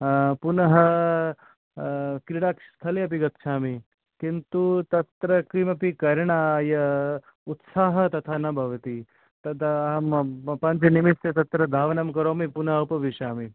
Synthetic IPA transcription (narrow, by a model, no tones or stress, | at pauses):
punɐɦɐ | kɾiɽaːkst̪ʰɐliɐp̬iɡɐt̪ʃaːmi | kint̪ut̪ɐt̪ɾɐkɾimɐpikɐɾɳajɐ | ut̪saːɦɐt̪ɐt̪ʰaːnɐbʱɐʋɐt̪i | t̪ɐt̪ | pɐɲt͡ʃɐnimisjɐt̪ɐt̪ɾɐd̪ʱaːʋɐnɐmkɐɾoːmipunɐɦɐupɐʋiʃaːmi